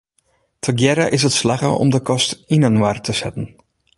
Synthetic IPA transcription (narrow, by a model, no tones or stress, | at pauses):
tʰəɡjɛɾaʔɪs̬ətslaɣə̰ʔɔ̰mdəkɔstinənwartəsɛtən̩